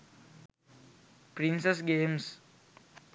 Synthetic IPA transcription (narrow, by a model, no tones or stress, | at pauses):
pɾĩnsesɡẽːms